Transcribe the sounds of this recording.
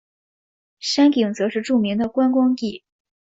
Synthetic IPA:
ʂa˥nki˨˩ŋt͡sɤ˧˥ʂɻ̩˥˧ʈ͡ʂu˥˩mi˧˥ŋd̪ə˧kwa˥nkwɑ˥ŋt̪i˥˩

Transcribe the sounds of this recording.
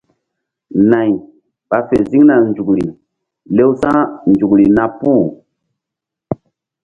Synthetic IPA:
na˨j | ɓ̥a˨fe˨zi˦ŋna˨nd͡ʒu˨kli˨ | le˦wsã˦nd͡ʒu˨kli˨na˦˨pu˦˨

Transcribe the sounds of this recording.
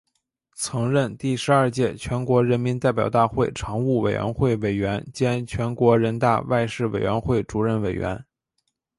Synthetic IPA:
t͡sʰɤ˧˥ŋɻə˥˧nt̪i˥˩ʂɻ̩˧˥ɐ˞˥˧t͡ɕjɛ˥˩t͡ɕʰɥɛ˧˥nkwɔ˧˥ɻə˧˥nmi˧˥nt̪a˥˩ɪp̬ʲjɑ˨˩ʊt̪a˥˧xwe˥˩ɪʈ͡ʂʰɑ˧˥ŋu˥˩we˨˩ɪɥɛ̰˧˥nxwe˥˩ɪwe˨˩ɪɥɛ˧˥nt͡ɕjɛ˥nt͡ɕʰɥɛ˧˥nkwɔ˧˥ɻə˧˥nt̪a̰˥˧wa˥˧ɪʂɻ̩˥˩we˨˩ɪɥɛ˧˥nxwe˥˩ɪʈ͡ʂu˨˩ɻə˥˩nwe˨˩ɪɥɛ̰˧˥n

